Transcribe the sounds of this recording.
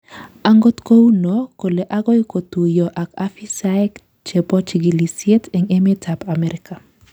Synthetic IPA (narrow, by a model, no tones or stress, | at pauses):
aŋɡot̪kowunɔkoleʔaɡɔikotujɔʔakafisaɛk | t͡ʃepɔt͡ʃiɡilisjetɛŋemetʰapamɛɾɪka